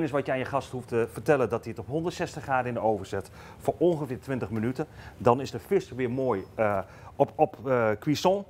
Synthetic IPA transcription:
nɪs̬ʋɑtjəanjəχɑsthuftəvərtɛləndɔtiətɔpɦɔndərtsɛstəχraːdəɪndəowvəɹzɛt | fʊːɹɔ̃nχəfɪːɹtʋɪntəχmənytədɑnɪzdəfɪstəʋɪːmoːj | ɔpkʋisɔ̃

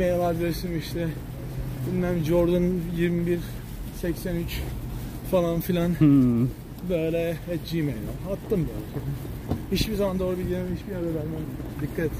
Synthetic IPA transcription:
mej̪alˠaɾd̪eɾsinmiʃt̪ʰɛ | binʲmænmd͡ʒoɾd̪ɯnjiɾmibiɾ | sɛcsænyt͡ʃ | falˠanfilʲan | bøːlʲɛhɛd͡ʒimḛjlˠa̰hat̪ʰːɯmbø̰lʲɛ | hit͡ʃbizamand̪o̞ːɾubilʲjemhit͡ʃbiad̪abænʲmænd̪ikʰːat̪et̪

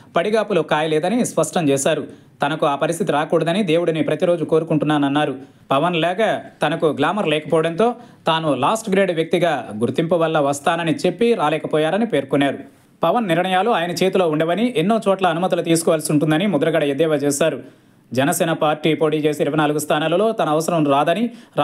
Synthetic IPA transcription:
pɐɽiɡaːpulukaːjɐlɛːd̪ɐnispɐʂʈɐmt͡ʃɛːʃaːɾu | t̪ɐnɐkuaːpɐɾist̪ʰit̪iɾaːkuːɽɐd̪ɐnid̪e̞ːwuɽunipɾɐt̪iɾo̞ːd͡ʒuko̞ːɾukuɳʈunːaːnɐnːaːɾu | pɐʋɐnlɛːkɐt̪ɐnɐkuɡlaːmɐɾlɛːkɐpɔːʋɐɽɐnt̪o̞ːt̪aːnulaːsʈɡɾeːɖʋjɐk̚t̪iɡaːɡuɾt̪impɐʋɐlːɐʋɐst̪aːnɐnit͡ʃe̞pːiɾaːlɛːkɐpɔːjaːɾɐnipe̞ːɾkɔnːaːɾu | pɐʋɐnːiɾɳɐjaːloaːjɐnɐt͡ʃe̞ːt̪ulo̞ːuɳɖeʋɐniʔenːo̞ːt͡ʃɔːʈlɐːnumɐt̪ilut̪̬iːsu̥kɔːʋalsiuɳʈund̪ɐnimud̪ɐɾɐɡɐɽɐed̪ɛːʋɐt͡ʃɛːsaːɾu | d͡ʒɛnɐsɛːnɐpaːɾʈːiːpo̞ːʈiːt͡ʃe̞ːsiiɾuʋɐjnaːluɡust̪ʰaːnaːlɐlo̞ːt̪ɐnɐːʋɐsɐɾɐmɾaːd̪ɐniɾ

